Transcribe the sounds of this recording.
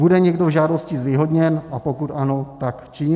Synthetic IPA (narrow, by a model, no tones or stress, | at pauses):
udɛɲɛɡdo̞vʒaːdo̞scɪzviːɦo̞dɲɛnʔapokut̪ʔano̞t̪akt͡ʃiː